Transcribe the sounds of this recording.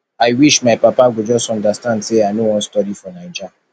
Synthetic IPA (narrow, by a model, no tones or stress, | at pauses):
aɪwiʃmaɪpapaɡʷʊd͡ʒɔsɔ̃ndastãndseanowɔ̃n̩stɔɾifɔnaɪd͡ʒa